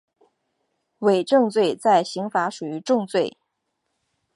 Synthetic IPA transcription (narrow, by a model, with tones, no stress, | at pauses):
we˨˩ɪʈ͡ʂɤ˥˧ŋt͡swe˥˧ɪt͡sa˥˩ɪɕi˧˥ŋfa˧˥ʂu˨˩y˧˥ʈ͡ʂʊ˥˧ŋt͡swe˥˩ɪ